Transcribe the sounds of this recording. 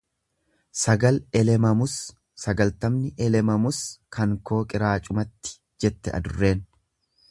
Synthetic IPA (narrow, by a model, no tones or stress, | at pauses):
sɐɡɐlɛlɛmɐmʊsː | ɐɡɐlt̪ɐmnɪʔɛlɛmɐmʊskʰɐŋko̞ːkʼɪɾaːt͡ʃʼʊmɐt̪ːɪ̥ | d͡ʒɛt̪ːɛʔɐ̰d̪ʊrːe̞ːn